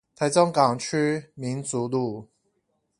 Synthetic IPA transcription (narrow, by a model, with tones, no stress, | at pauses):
t̪ʰa˨˧˥ɪt͡sɔ˥˦ŋkɑ˨˩ŋt͡ɕʰy˥mi˨˦nt͡su˨˦lu˥˩